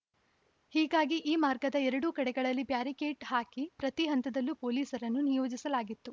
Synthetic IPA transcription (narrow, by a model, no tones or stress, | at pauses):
hiːɡaːɡiʔiːmaːɾɡɐd̪ɐɛɾɐɽukɐɽɛɡɐɭɐlːibjaːɾikeːʈhaːkipɾɐt̪iɦɐnt̪ɐd̪ɐlːupo̞ːliːsɐɾɐnːunijo̞ːd͡ʒisɐlaːɡit̪ːu